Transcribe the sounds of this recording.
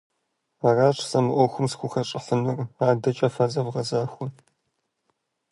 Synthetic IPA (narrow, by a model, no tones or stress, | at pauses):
aːraːʈ͡ʂʰʼsɐmɨʔʷɔxʷʊmsxʷʊxɐʈ͡ʂʼɪħənɨraːdɐt͡ʃʼɐfɐzɐvʁɐzaːxʷʊ